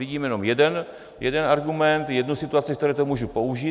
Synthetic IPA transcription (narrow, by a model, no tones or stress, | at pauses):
viɟiːmjɛno̞mjɛdɛn | jɛdɛnaɾɡumɛnt̪jɛdnusɪt̪uat͡sɪkt̪ɛɾɛːt̪omuːʒupo̞uʒiː